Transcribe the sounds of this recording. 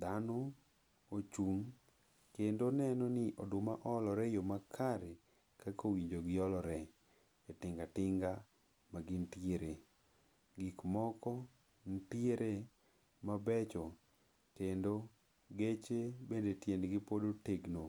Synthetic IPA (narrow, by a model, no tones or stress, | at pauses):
d̪anɔ | ot͡ʃuŋ | kendonɛnɔnɪʔɔdʊmaʔɔlɔɾɛjomakʰaɾe | kakowiɲd͡ʒoɡɪɔlɔɾɛ | etɪŋɡatɪŋɡa | maɡɪntjeɾe | ɡikmɔkɔ | ntjeɾe | mabɛt͡ʃɔ | kendo | ɡet͡ʃebendetjenɡɪpodoteɡno